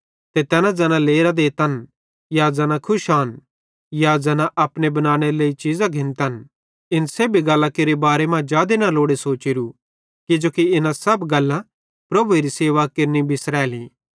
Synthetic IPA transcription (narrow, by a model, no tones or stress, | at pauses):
t̪et̪ɛːnãd͡zɛːnãleːɾad̪eːt̪ɐn | jad͡zɛːnakʰʊʃaːn | jad͡zɛːnãʔɐpɽ̃ebɐnãːɽ̃eɾeleːit͡ʃiːzãɡʱɪ̃nt̪ɐn | ɪnseːbʱiɡɐlːãkeɾebaːɾemãd͡ʒaːd̪enaloːɽesoːt͡ʃɪɾu | kɪd͡ʒoːkiɪnãsɐbɡɐlːã | pɾɐbueɾiseːʋakɐɾnibʱɪsɾɛːlĩː